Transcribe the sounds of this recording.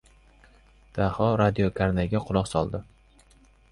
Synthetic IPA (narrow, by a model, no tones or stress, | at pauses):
d̪̥ahɒɾad̪iokʰaɾnaɡʲaqʰʊlˠɒqsɒlˠd̪ɪ